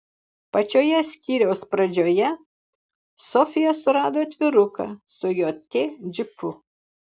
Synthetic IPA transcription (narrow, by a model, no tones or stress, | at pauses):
pɐt͡ʃʲoːjɛsʲkʲiːɾʲɛʊspɾɐd͡ʒʲoːjɛ | sɔfʲɪjɛsʊɾɑːd̪oːt̪ʲʋʲɪɾʊkɐ̰sʊjoːt̪ʲed͡ʒʲɪpʊ